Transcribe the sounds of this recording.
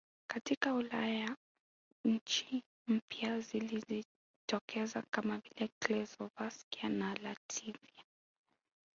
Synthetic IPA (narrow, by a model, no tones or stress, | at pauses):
katikaulaja | ɲ̩t͡ʃi | m̩pjazilizi | tɔkʰɛzakamavilɛklɛzɔvaskianalatʰivia